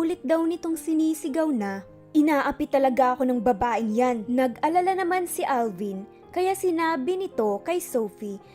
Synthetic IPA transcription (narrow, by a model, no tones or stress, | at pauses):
uːlɪt̪̚d̪ɐwnɪt̪o̞ŋsɪniːsɪɡɐwnɐ | ʔɪnaːʔɐpit̪ɐlɐɡaʔɐko̞nɐŋbɐbaːʔɪŋjanːɐɡɐlɐlanɐmansɪʔalvin | kɐjasɪnaːbɪnɪt̪o̞kɐjso̞wfi